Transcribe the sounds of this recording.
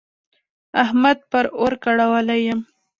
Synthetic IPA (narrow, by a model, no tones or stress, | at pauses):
ahmad̪̚pəɾoɾkaɽawalajəm